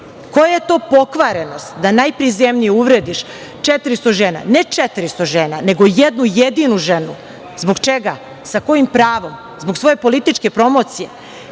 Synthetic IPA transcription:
ko̞jaje̞t̪o̞ːpo̞kʋaɾenost̪d̪anajpɾizemɲijeuʋɾeːd̪iʃ | t͡ʃet̪ɾist̪o̞ʒeːna̰net͡ʂet̪ɾist̪oʒeːnane̞ɡo̞jed̪nujed̪inuʒenu | zbo̞ɡt͡ʃe̞ɡa | sako̞jimpɾaːʋo̞m | zboksʋo̞je̞po̞lit̪it͡ʃke̞pɾo̞mo̞t̪sije̞

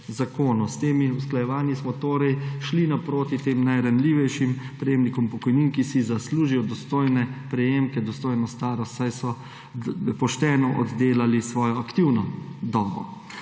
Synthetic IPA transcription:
zakoːnust̪eːmiusklajɛʋaːnjismɔt̪oːɾɛjʃlinapɾoːt̪it̪eːmnajɾanliːʋɛjʃimpɾɛjeːmnikɔmpɔkɔjniːnkisizasluːʒijɔd̪ɔst̪oːjnɛpɾɛjeːmkɛd̪ɔst̪oːjnɔst̪aːɾɔsajsɔ | pɔʃt̪ɛːnɔʔɔ̰d̪d̪eːlalisʋɔːjɔakt̪iwnɔd̪ɔːbɔ̰

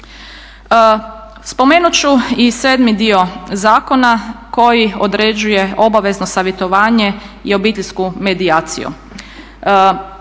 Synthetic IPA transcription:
spo̞me̞ːnut͡ɕuiseːd̪mid̪io̞zaːko̞nako̞jiod̪ɾed͡ʑuje̞o̞baʋe̞znosaːʋjet̪o̞ʋaːɲeio̞biːt̪eʎʲskume̞d̪iaːt̪sḭjṵ

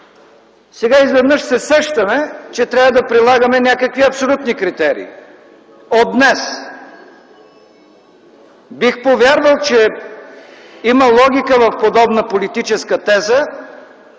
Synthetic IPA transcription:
sɛɡaizvɛd̪nɤʃsɛsɛʃt̪əmɛt͡ʃɛt̪ɾʲavəd̪ɐpɾilˠaɡəmɛnʲakəkviɐpsolʲut̪nikɾit̪ɛɾḭː | od̪nɛs | bixpovʲjaɾvəlˠt͡ʃɛ | iməlˠɔɡ̟ʲikəvɐfpod̪ɔbnəpolit̪it͡ʃɛskət̪ɛzə

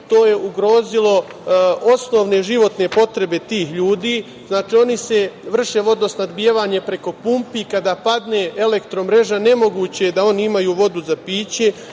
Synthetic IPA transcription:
t̪o̞ːje̞ʔuɡɾo̞ːzilo̞ | o̞sno̞ʋneʒiʋo̞t̪ne̞po̞t̪ɾe̞be̞t̪iːxʎuːd̪iː | znaːt͡ʃiːo̞nise̞ʋr̩ʃe̞ʋo̞d̪no̞snad̪bijeʋaːɲe̞pɾe̞ko̞pumpikad̪aːpad̪ne̞ːʔe̞le̞kt̪ɾo̞mɾe̞ʒane̞mo̞ɡuːt͡ɕe̞d̪ao̞niimajuːʋo̞d̪uzapiːt͡ɕe̞

